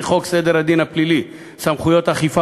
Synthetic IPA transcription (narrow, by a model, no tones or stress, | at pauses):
χo̞ksed̪eɾhad̪inhaplili | samχujo̞t̪aχifa